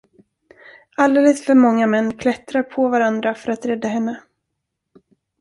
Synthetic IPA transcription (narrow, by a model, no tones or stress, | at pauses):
ald̪eːləsfœɾmɔŋːamɛnːkʰlɛt̪ɾaɾpʰɔvaɾand̪ɾafœɾat̪ɾɛd̪ːahɛnːə